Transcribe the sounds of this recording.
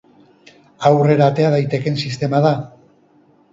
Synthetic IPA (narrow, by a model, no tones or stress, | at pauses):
awre̞ɾaːt̪e̞að̞ajt̪e̞ke̞nsist̪e̞maða